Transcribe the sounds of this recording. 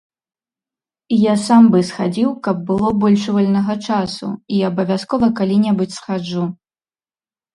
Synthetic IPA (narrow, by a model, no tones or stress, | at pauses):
jasambɨsxad͡zʲiwkɐb̚ːɨlˠɔbɔlʲʂuvɔlʲnɐɣɐt͡ʂasṵiɐbɐvʲaskɔvɐkalʲinʲɛbɨt͡sʲsxad͡ʐu